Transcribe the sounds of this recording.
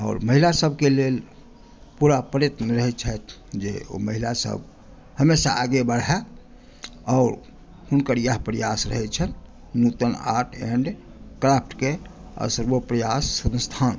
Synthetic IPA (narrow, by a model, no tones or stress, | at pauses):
ɔ̰ːɾməɦilasəbʱkelel | puɾapəɾet̪nəɾəɦɛt͡ʃʰət̪̚ʰ | d͡ʒḛo̰məɦilasə̰b | həmesa̰ʔːɡebəɽɛ | ɔʊɾ | hunkəɾjəɦpɾəjasɾə̰ɦɛt͡ʃʰən | nut̪əna̰ʈʰeɳɖ | kɾapʰʈkeə̰səɾbopɾəjasːə̃nst̪ʰan